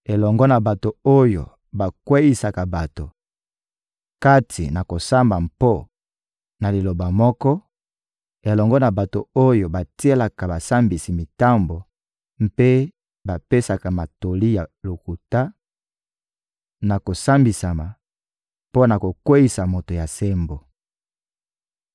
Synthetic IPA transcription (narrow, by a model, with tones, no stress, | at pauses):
e˨lɔ˨ŋɡɔ˦na˨ba˨to˨o˦jo̰˨ | ba˨kwe˦ji˨sa˨ka˨ba˨to˨ | ka˦tʰḭ˨na˨ko˨sa˦mba˨mpo˦ | na˨li˨lo˨ba˨mɔ˦kɔ˦ | e˨lɔ˨ŋɡɔ˦na˨ba˨to˨o˦jo˨ba˨ti˦e˦la˨ka˨ba˨sa˦mbi˨si˨mi˨ta˦mbo˨ | m̩pe˦ | ba˨pe˦sa˨ka˨ma˨to˨li˦ja˨lo˨ku˨ta˦ | na˨ko˨sa˦mbi˨sa˨ma˨ | po˦na˨ko˨kwe˦ji˦˨sa˨mo˨to˨ja˨se˦mbo˨